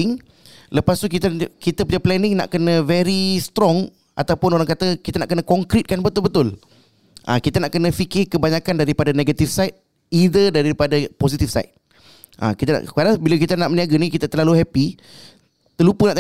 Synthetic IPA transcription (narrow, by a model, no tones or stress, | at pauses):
ɪŋ | ləpast̪ukit̪kit̪əpəɲaplɛnɪŋna̰ʔkənə̃vɛɾist̪ɾɔŋ | ʔa̰t̪awpʊnoɾaŋkat̪əkit̪anaʔkənãkɔŋkɾit̪̚kanbət̪ʊlbət̪ʊl | ʔa̰kit̪anaʔkənə̃fikɪkəbaɲakandaɾipadanẽɡat̪ifsajt̪̚ | id̪ədaapadapos̬it̪ifsa̰ɪt̪̚ | ʔa̰kit̪ana̰kadabilakit̪anaʔməniaɡanikit̪at̪ərlaluɦɛpi | t̪əlupunaʔ̪